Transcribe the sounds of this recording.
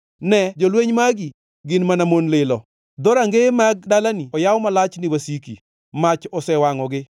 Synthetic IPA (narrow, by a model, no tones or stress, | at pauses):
nɛd͡ʒolweɲmaɡi | ɡɪnmanamonlɪlɔ | d̪ɔɾaŋɡemaɡ̚dalaniɔjawmalat͡ʃnɪwasikḭ | mat͡ʃɔsɛwaŋɔɡɪ